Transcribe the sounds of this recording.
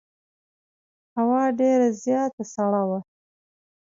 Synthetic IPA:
hawɑɖeɾazjɑt̪asaɽawa

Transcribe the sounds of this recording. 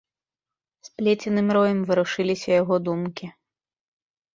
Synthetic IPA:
splʲet͡sʲinɨmɾɔjɐmvɨɾuʂɨlʲisʲɐjaɣɔd̪umkʲi

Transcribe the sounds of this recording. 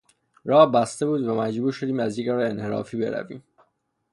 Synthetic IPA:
rɒːhbæst̪e̞buːd̪væmæd͡ʒbuːɾʃo̞d̪iːmæzjeɡɒːɾeenhe̞ɾɒ̰ːfiːbe̞̰ɾæ̰vḭːm

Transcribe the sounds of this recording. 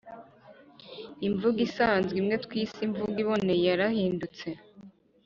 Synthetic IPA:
iɱvuɡisaːnzɡimŋe̞t̪wiːsiɱvuɡiβo̞ne̞jaɾahiːndut͡se̞

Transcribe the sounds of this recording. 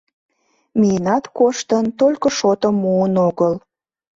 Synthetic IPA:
mʲiənɑt̪koʃt̪ənt̪olʲkəʃot̪əmːuənoɣəl

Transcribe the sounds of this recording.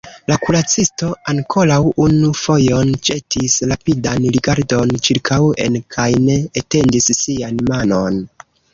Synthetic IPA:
lakulat͡sisto̞aŋkʰo̞lawunufo̞jo̞nd͡ʒe̞tisɾapidanliɡaɾdo̞nt͡ʃiɾkʰawe̞̰nkʰajne̞ːte̞ndisːianmano̞n

